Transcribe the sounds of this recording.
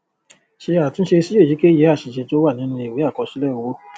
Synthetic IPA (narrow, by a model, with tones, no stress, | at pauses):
ʃe˧a˨tũ˦ʃe˧si˦e˦˨i˨˦ke˦je˨˦a˦˨ʃi˨ʃɛ˨˧˦to˦wa˦˨nĩ˨˦nũ˧e˨we˨˦a˦˨kɔ˧ʃi˦lɛ˦˨wo˨˦